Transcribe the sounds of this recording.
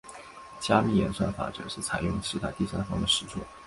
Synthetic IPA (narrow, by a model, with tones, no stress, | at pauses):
t͡ɕja˥mi˥˩jɛ̰˨˧˥nʂwa˥˩fa̰˥˩ʈ͡ʂɤ̰˨˩˦ʂɻ̩˥˩t͡sʰa˨˧˩ɪjʊ˥˧ŋʈ͡ʂɻ̩˥˧t̪a̰˥˩t̪i˥˩sa˥nfɑ˥ŋd̪ə˨ʂɻ̩˧˥ʈ͡ʂʰṵ˥˩